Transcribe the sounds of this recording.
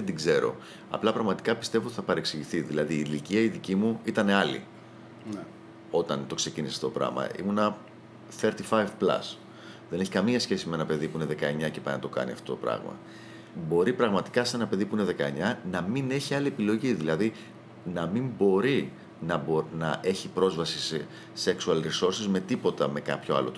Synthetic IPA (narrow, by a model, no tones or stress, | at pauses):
ed̪iɡze̞ɾo̞̰ | ɐ̰plɐpɾɐɣmɐt̪i̥kɐpist̪e̞vot̪i̥θɐpɐɾe̞ksiʝiθiðilɐðiːliciɐiðicimuit̪ɐne̞ɐlḭ | o̞t̪ɐnt̪o̞kse̞cinise̥ɐft̪ot̪opɾɐ̰ɣmɐ̰ḭmunɐ | θe̞ɾt̪ifajvplɐ̰s | ðene̞çi̥kɐmiɐsçe̞simee̞nɐpe̞ðipuine̞ðe̞kɐe̞ɲɐcepɐinɐt̪okɐ̰niɐ̰ft̪o̞t̪opɾɐ̰ɣmɐ̰ | bo̞ɾipɾɐɣmɐt̪i̥kɐse̞nɐpe̞ðipuine̞ðe̞kɐe̞ɲɐnɐmine̞çiɐlie̞pilo̞ʝiðilɐði | nɐmimbo̞ɾi | nɐbnɐʔe̞çipɾo̞zvɐsise | seksuɐlɾiso̞ɾsizme̞t̪ipo̞t̪ɐme̞kɐ̰pço̞ɐ̰lo̰t̪